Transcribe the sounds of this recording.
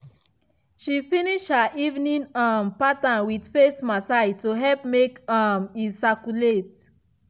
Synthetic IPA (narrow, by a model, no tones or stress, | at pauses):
ʃifiniʃhaʔivnĩnãmpatãnwidfesmasatuɦɛlpmekamisakulet